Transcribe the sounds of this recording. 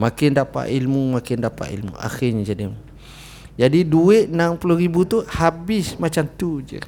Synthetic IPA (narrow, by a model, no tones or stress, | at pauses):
makɪndapa̰ʔilmumakɪndapa̰ʔḭlmṵa̰xɪɲad͡ʒadɪm | d͡ʒadiduɪʔ̪̚nampuluɾibut̪uhabɪsmat͡ʃamt̪ud͡ʒə̰